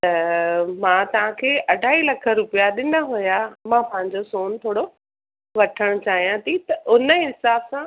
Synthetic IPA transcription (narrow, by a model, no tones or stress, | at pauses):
t̪ɐmãːt̪ɐʋ̤ãkʰeːʔɐɖʱaːilɐkʰə̆ɾʊpijaɗɪnəɦujamãpɐ̃ɦɪ̃ɲ̆d͡ʑosoːnt̪ʰoːɽo | ʋɐʈʰəɽ̃t͡ɕaːɦijãt̪ʰit̪ɐʔʊnəɪnsaːbsã